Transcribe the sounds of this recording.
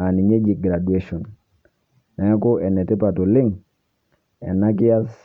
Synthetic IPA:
a˨ni˨ɲe˦d͡ʒi˨ɡɾa˨du˨e˦ʃɔ˨n | na˨ɛ˦ko˦ʔɛ˨nɛ˨te˦pa˨to˨lɪ˦ŋ | ɛ̰˨na˦k̬i˦ja˦s

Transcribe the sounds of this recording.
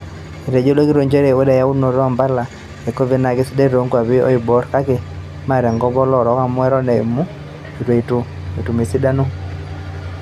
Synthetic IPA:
i˨ɾe˨d͡ʒo˦lo˦ki˦ɾo˨ɲd͡ʒe˦ɾe˨wo˦dɛ˨ja˦u˦no˨ɾɔ˦˨mba˦la˨ | e˨ko˦ve˨na˨kɪ˦si˦de˦ɾo˨˦ŋɡwa˨βɪ˦ɔ̰˦i˨bɔ˦ɾka˦ke˨ | ma˦˨ɾɛ˨ŋɡɔ˦bɔ˦lɔ˦˨ɾɔ˨˦ka˦mwɛ˦ɾɔ˦nɛ˨ḭ˨mu˦ | i˨twe˨i˨tu˨ | i˨tu˨me˨si˦da˦no˦

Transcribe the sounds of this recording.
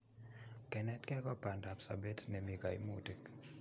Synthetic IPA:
kɛ˨nɛ˦tkɛ˦kɔ˦pa˨nda˨psa̰˨be˦tnɛ˨mi˨ka˨ḭ˨mo˦ti˨k

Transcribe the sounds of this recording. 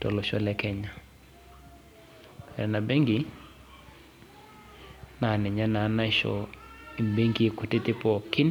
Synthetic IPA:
tɔ̰˨lɔ˨ʃɔ˦lɛ˦kɛ˦ɲa˨ | ɾɛ̰˨na˨bɛ˦ŋɡi˨ | na˨nɛ˨ɲa˦na˨˦na˦ʃɔ̰˨i˨mbe˦ŋɡi˦˨kʊ˨tɪ˦tɪ˦pɔ˦kɪ˦n

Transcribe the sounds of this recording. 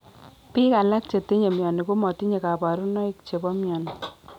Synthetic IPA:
pi˦ka˨la˦k̚t͡ʃe˨ti˦ɲe˨mjɔ˨ni˨ku˦mɔ˨ti˦ɲe˨ka˨ba˨ɾu˦nɔ˦i˦kt͡ʃe˨bɔ˦mjɔ˨ni˨

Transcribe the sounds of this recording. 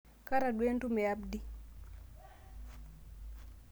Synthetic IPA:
ka˦ɾa˨ɗwe˦ntu˦mɛ˨abdi˨

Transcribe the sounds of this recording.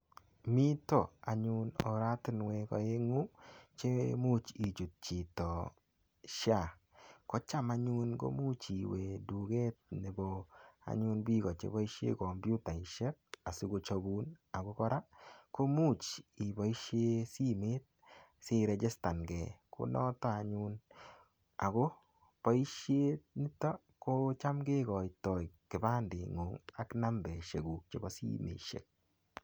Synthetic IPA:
mi˦tɔ˨a̰˨ɲu˦nɔ̰˨ɾa˦tɪ˦nwɛ˨kɔ̰˨je˦ŋu˦t͡ʃe˦mu˦t͡ʃi˨d͡ʒu˨t̚t͡ʃi˨tɔ˨ | ʃa˦˨ | kɔ˦t͡ʃa˦ma˨˦ɲu˦nɡo̰˦mu˦t͡ʃi˨we˨du˨ɡe˦t̚nɛ˨bɔa̰˨˦ɲʊ˦nbi˦ɡɔ˨t͡ʃḛ˨bɔ˦i˦ʃḛ˦kɔ˨mbju˦ta˨i˨ʃɛ˦k̚a˨si˦ɡo˨t͡ʃa˨bu˦na˨ɡo˦kɔ˦ɾa˦ko˦mu˦t͡ʃi˨bɔ˨i˦ʃe˦si˦meː˦t̚se˦ɾɛ˧d͡ʒe˦sta˨nɡɛ˨kʰo̰˦nɔ˦ta˦a˨ɲu˦n | a̰˨ɡo˦ | pɔ˦i˦ʃje˦ni˦tɔ˦ | ko˦t͡ʃa˦mɡe˦ɣɔ˨tɔ˨jkɪ˨ba˦nde˨ŋo˨ŋa˨kna˦mbɛ˨ʃe˨ɡu˨k̚t͡ʃe˨bɔ˦sḭ˦mḛ˨ʃḛ˨k̚

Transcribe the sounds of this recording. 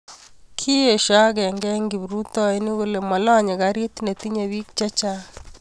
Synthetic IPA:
kʰi˦e˨ʃa˦ɡɛ˨ŋɡɛ˦ŋɡi˨bɾu˦t̪ɔ˦e˦ni˦ɡo˦le˨mɔ˨lɔ˦ɲɛ˨ɡa˨ɾje˦t̪ne˨t̪i˦ɲa˨wi˦k̚t͡ʃa˦t͡ʃa˦

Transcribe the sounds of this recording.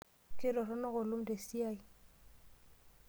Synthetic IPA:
kɪ˦lɔ˨rɔ˦nɔ˦ɣʊ˨lʊ˦m̩de˨si˦a˦i˦

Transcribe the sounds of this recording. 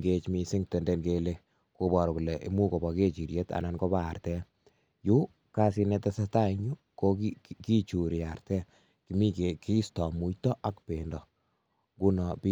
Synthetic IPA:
ŋɡe˦t͡ʃmi˧si˦ŋte˨nde˦nkele˦ | ko˦bɔ˨ɾku˨le˨ʔḭ˦mu˦ko˨bɔ˨ke˦t͡ʃi˨ɾje˦ta̰˨na˨nko˦baː˦˨ɾtɛ˦ | ju˦ | ka˦si˧nɛ˦ta˦sata˦iɲu˦ | ko˦kiki˦t͡ʃu˨ɾia˨ɾtɛ˦ | ki˨mi˦ke˨ki˦stɔ˨mu˦jtɔ˦ʔa˦kpe˨ndɔ˨ | ŋɡu˦nɔ˨pi˦

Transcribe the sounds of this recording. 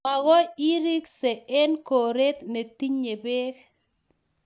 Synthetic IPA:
a˨ɣɔ˦i˦ɾi˦kse˨ɛ˦nko˨ɾe˦t̪ne˨t̪i˦ɲe˨be˦k

